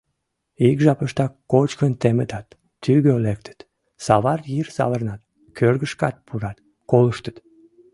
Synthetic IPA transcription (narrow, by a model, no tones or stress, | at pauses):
ikʒɑpəʃt̪ɑkːot͡ɕkənt̪emət̪ɑt̪ː | yɣølek̚t̪ʰə̥t̪ | sɑβɑrjirsɑ̰βərnɑt̪ | kʰørɣəʃkɑt̪̚pʰuɾɑt̪ | koləʃt̪ə̥t̪